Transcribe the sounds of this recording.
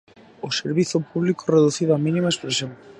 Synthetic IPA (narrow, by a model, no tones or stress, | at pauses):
oseɾβiθʊpuβlikoreðuθiðaminimaespɾesjoŋ